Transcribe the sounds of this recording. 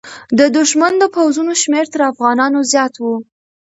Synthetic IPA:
d̪əd̪ʊʃmand̪əpawzunoʃmeɾt̪əɾafɣɑnɑnozjɑt̪wu

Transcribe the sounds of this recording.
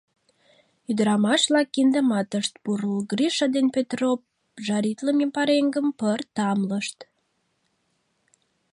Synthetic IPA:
yd̪əɾɑmɑʃβlɑkːind̪əmɑt̪əʃt̪̚puɾulɡriʃɑd̪enpet̪rop | ʒɑɾit̪ləmempɑɾeŋɡəmpərt̪ɑmləʃt̪

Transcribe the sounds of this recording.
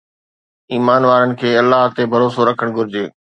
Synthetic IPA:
iːmaːnʋaːɾənɪ̆kʰeːɐlːaɦt̪ebʱɐɾoːsoɾɐkʰəɽ̃ɡʱʊɾɪd͡ʑeː

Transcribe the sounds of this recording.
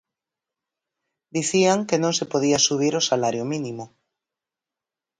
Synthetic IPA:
d̪iθiaŋkenõŋsepoðiasuβ̞iɾosalaɾjomĩnimo

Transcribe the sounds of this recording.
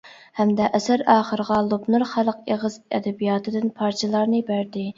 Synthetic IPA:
hɛmd̪ɛʔɛsæɾɑːχəɾəʁɑlˠubnuɾχælˠəqeʁɨzɛ̰d̪ɛbijɑːt̪ʰɨd̪ɪnpʰɑɾt͡ʃʰelˠɑɾnɨbæɾd̪ɪ

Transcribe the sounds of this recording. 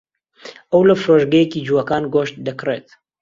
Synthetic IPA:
ʔɐwlɐfɾoːʒɡɐjekiːd͡ʒuwɐkaːnɡoːʃt̪̚d̪ɐkreːt̪̚

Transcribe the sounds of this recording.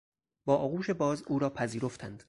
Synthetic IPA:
b̥ɒːʔɒːɣuːʃe̞bɒːzuːɾɒːpʰæziːɾo̞ft̪ʰænd̪̥

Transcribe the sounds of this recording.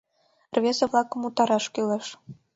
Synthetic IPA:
rvʲezĕβlˠɑkə̆mut̪ɑɾɑʃkyleʃ

